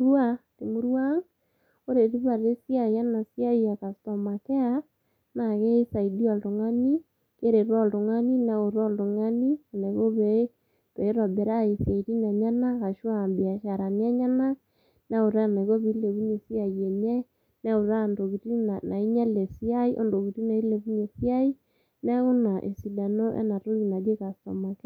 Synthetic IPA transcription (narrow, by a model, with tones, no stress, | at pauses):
ɾa˦te˨mo˦ɾwa˦ŋ | o˦ɾe˨ɾi˦βa˨ɾe˦si˦a˨ja˦na˨si˦a˦ia˨ka˨stɔ˨ma˨kɛ˦a˦ | na˨ɣe˦i˦sa˨i˨di˦ɔ˨do˨ŋa˦ni˦ | ke˦ɾe˨ɾɔ˦ldo˨ŋa˦ni˦na˨o˨ɾɔ˦ldo˨ŋa˦ni˦a˨ne˨ɣo˦βɛ˨ | pɛ˨i˦ɾɔ˨bɛ˨ɾa˦˨i˨se˨i˨ɾi˦na˨ɲa˦na˦ka˨ʃwa˦˨mbi˨a˨ʃa˨ɾa˨n˦a˦ɲa˦na˦ | nɛ˦o˨ɾɛ˦˨na˨ɣo˦βi˨˦le˨βi˦ɲe˨si˦a˨i˨ɛ˨ɲɛ˦ | nɛ˦o˨ɾa˦˨ndo˨ɣi˨ɾi˦na˨na˨i˦ɲɛ˦le˨si˦a˦i˦ʔo̰˦ndo˨ki˨ɾi˦na˨i˦le˨βi˦ɲe˨si˦a˦i˦ | nɛ˦ɣu˦na˨ʔe˨si˨da˨no˦ʔɛ̰˦na˨ɾo˦i˨na˨d͡ʒe˦ka˨sɔ̰˨mɔ˨ke˦